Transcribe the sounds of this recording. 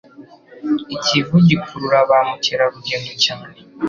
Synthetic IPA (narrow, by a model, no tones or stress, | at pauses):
icivuɟikʰuɾuɾaβamuceɾaβuɟenducani